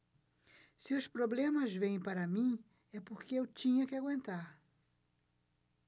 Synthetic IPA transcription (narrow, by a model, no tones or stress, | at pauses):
sɪʊspɾoblẽmɐzvẽj̃paɾɐmĩ | ɛpoɾkeewt͡ʃĩɲɐkɪaɡwẽnt̪aɾ